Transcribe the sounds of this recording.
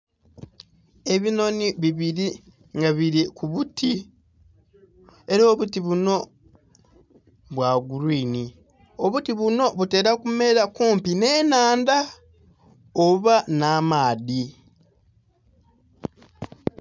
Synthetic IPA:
e̞βino̞niβiβiɾi | ŋɡaβiɾikuβutʰi | e̞ɾo̞ːβutiβuno̞ | βwaːɡuɾwiːni | o̞βutiβuno̞βute̞ːɾakume̞ɾakuːmpine̞ːnaːnda | oβanaːmaːði

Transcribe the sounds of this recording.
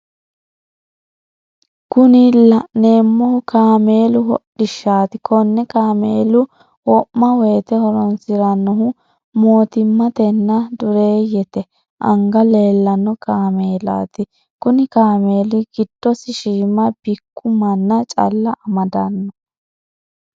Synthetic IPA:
kʊnɪlɐneːmːɔhkaːme̞ːlʊhɔɗɪʃaːt̪ɪkɔnːɛkaːmeːlʊ | wɔʔmɐweːt̪ɛhɔɾɔnsɪɾɐnːɔɦʊ | moːt̪ɪmːɐt̪ɛnːɐd̪ʊɾe̞ːjɛt̪ɛ | ʔɐŋɡɐle̞ːlːɐnːɔkaːmeːla̰ːt̪ɪ | kʊnɪkaːmeːlɪɡ̥ɪd̪̥ːɔsɪʃiːmɐb̥ɪkːʊmɐnːɐt͡ʃʼɐ̰lːɐʔɐmɐd̪ɐnːɔ

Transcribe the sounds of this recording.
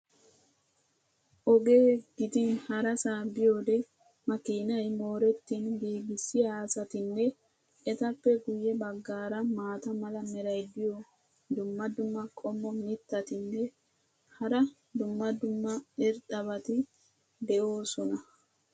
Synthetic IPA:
ʔɔɡe̞ːɡ̥ɪd̪ɪnhɐɾɐsaːbɪjo̞ːd̪ɛ | mɐkiːnɐjmo̞ːɾɛt̪ːinbiːɡɪsɪjaːsɐt̪ɪnːɛ | ɛt̪ɐpːɛɡʊjɛbɐɡːaːɾɐmaːt̪ɐmɐlɐmɛɾɐjd̪ɪjo | d̪ʊmːɐd̪ʊmːɐkʼɔmːɔmɪt̪ːɐt̪ɪnːɛ | hɐɾɐ | d̪ʊmːɐd̪ʊmːɐɛɾt̪ɐbɐt̪ɪ | d̪ɛʔo̞ːsɔnɐ

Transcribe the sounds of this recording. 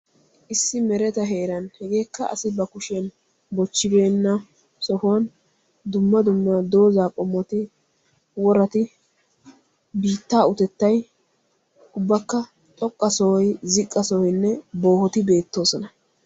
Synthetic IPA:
ʔɪsːɪmɛɾɛt̪ɐɦe̞ːɾɐnhɛɡe̞ːkːɐɐ̰sɪbɐkʊʃɛn | bɔt͡ʃːɪbe̞ːnːɐ | sɔhʊwɐn | d̪ʊmːɐd̪ʊmːɐd̪o̞ːzaːkʼɔmːɔt̪ɪ | wɔɾɐt̪ɪ | biːt̪ːaːʊt̪ɛt̪ːɐj | ʊbːɐkːɐ | t̪ʼɔkʼːɐsɔwɔjzɪkʼːɐsɔhɔjnːɛbo̞ːhɔt̪ɪbe̞ːt̪ːo̞ːsɔnɐ

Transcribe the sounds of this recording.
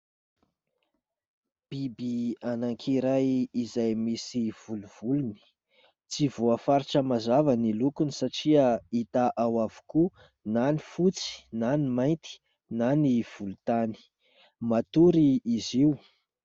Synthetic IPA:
b̥ibianaŋkʰiɾajizajmisiv̥uluv̥uluni̥ | t͡sivuəfaɾiʈ͡ʂəmazavanilukunisaʈ͡ʂiəit̪aʔawavu̥ku | nanifut͡si̥nanimajnt̪i̥ | naniv̥ulut̪ani̥ | mat̪uɾiːziu

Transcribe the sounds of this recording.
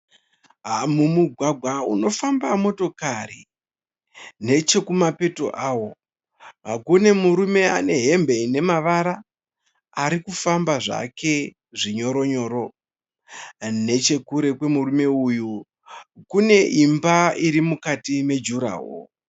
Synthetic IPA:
ɦamumuɡʱwaɡʱwauno̞fambamo̞to̞kari | ne̞t͡ʃe̞kumape̞to̞̰ʔawo̞ | ʋaɡone̞muɾume̞a̰ne̞ɦe̞mbe̞ine̞maʋaɾaː | ɾikufambaʐa̰ke̞ | ʐiɲo̞ɾoɲo̞ːɾo̞ | ne̞t͡ʃe̞kuɾe̞kwe̞murume̞uju | kune̞ʔimbaiɾimukatime̞d͡ʒuɾa̰ːɦo̰

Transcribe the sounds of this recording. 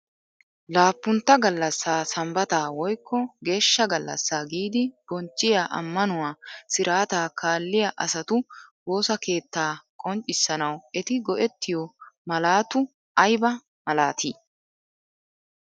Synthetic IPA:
laːpːʊnt̪ːɐɡɐlːɐsːaːsɐmbɐt̪aːwɔjkːɔɡe̞ːʃːɐɡɐlːɐ̰sːaːɡiːd̪ɪb̥ɔnt͡ʃʼːɪjaːʔɐ̰mːɐnʊwaːsɪɾʔaːt̪aːkaːlːɪjɐʔɐsɐt̪ʊbo̞ːsɐke̞ːt̪ːaːkʼɔnt͡ʃʼːɪsːɐnɐwɛt̪ɪɡɔʔɛt̪ːɪjɔmɐlaːt̪ʊ | ʔɐjbɐ | mɐlaːt̪ʰiː

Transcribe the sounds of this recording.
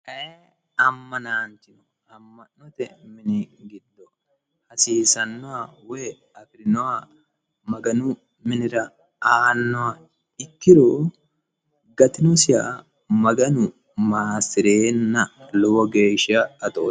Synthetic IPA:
ʔɐʔe | ɐmːɐnaːnt̪ɪnɔ | ɐmːɐnːɔt̪ɛmɪnɪɡɪd̪ːɔ | hɐsiːsɐnːɔwawɔj | ɐfɪɾɪnɔwa | mɐɡɐnʊ | mɪnɪɾɐ | aːnːɔwa | ɪkːɪɾo | ɡɐt̪ɪnɔsɪja̰ | mɐɡɐnʊ | maːsɪɾeːnːɐlɔwɔɡe̞ːʃɐːt̪ɔ

